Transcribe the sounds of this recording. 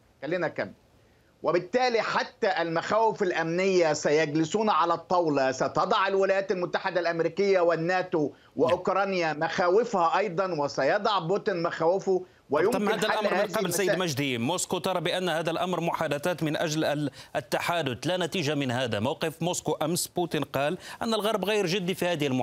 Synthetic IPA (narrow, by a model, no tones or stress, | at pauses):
xælːinækæ̰m | wʔɪbɪt̪ːæːliħat̪ːæʔɪlmaxæːwɪfalʔæmnɪjːasæjæɡlɪsuːnʕalæt̪ˤːɑwlɑsɑt̪ɑd̪ˤɑʕɪlwɪlajæːt̪almʊt̪ːaħɪd̪alʔæmɾiːkɪjːawɪnːæːt̪u | wɪʔʊkɾˤɑːnjamæxæːwɪfhæʔɑjd̪ˤɑnwɪsæjɑd̪ˤɑʕboːt̪ɪnmaxæːwɪfʊ | wɪjʊmmːhaːd̪ælaʔaɾhmːnːqɑblsajːd̪mæʒd̪imoːskot̪ˤɑɾˤɑbɪʔanːhaːd̪ælʔamɾmʊħaːd̪aθaːt̪mɪnʔæʒlʔt̪ːaħaːd̪ʊt̪lænæt̪iːʒamɪnhæːd̪amawqɨfmuːskoʔamsbuːt̪inqɑːlʔɪnːalɣɑɾˤbɣajɾʒɪd̪ːifihæːd̪ɪhɪlmʊ